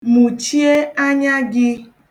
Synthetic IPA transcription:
mũ˨t͡ʃi˦e˦a˦ɲã˦ɡɪ˦

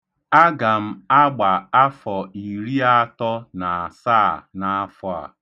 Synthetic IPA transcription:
a˦ɡa˨m̩˦a˦ɡ͡ba˨a˦fɔ˨i˨ɾi˦a˦tɔ˦na˨a˨saː˦˨na˨a˦fɔ˦a̰˨

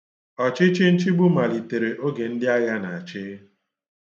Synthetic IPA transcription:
ɔ˨t͡ʃɪ˦t͡ʃɪ˦n̩˦t͡ʃi˦ɡ͡bu˦ma˨li˨te˨ɾe˨ʔo˦ɡe˨n̩˦dɪ˦a˦ja˦na˨a˨t͡ʃɪ˦

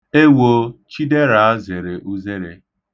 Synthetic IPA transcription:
e˦wo˨t͡ʃi˦de˦ɾa˨a˦ze˨ɾe˨ʔu˦ze˦ɾe˨

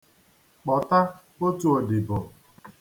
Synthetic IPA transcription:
k͡pɔ˨ta˦ | o˦tu˦o˨dɪ˨bʊ˨

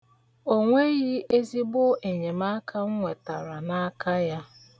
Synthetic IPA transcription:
o˦ŋʷe˦ɣi˦e˦zi˦bʊ˦ʔe˨ɲe˨ma˦kʰa˦ŋ̩˦ŋʷe˨ta̰˨ɾa˨na˦a˦kʰa˦ja˦

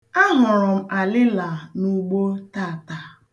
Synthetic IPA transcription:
a˦ɦʊ˨ɾʊ˨m̩˦ʔa˨lɪ˦la˨nu˦ɡ͡bo˦ta˦˨ta˨

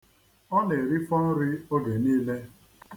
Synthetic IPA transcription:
ɔ˦ne˨ɾi˦fɔ˦n̩˦ɾɪ˦o˦ɡe˨niː˦le˦

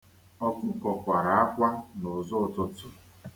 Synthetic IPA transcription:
ɔ˦kʊ˦kɔ˨kʷa˨ɾa˨a˦kʷa˦nʊ˨zʊ˦˨tʊ˦tʊ˨

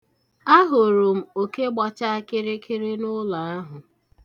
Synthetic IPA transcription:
a˦ɦʊ˨ɾʊ˨m̩˦o˨ke˦ɡ͡ba˦t͡ʃa˦a˦kɪ˦ɾe˦kʰɪ˦ɾe˦nʊ˦la˨a˦ɦʊ˨

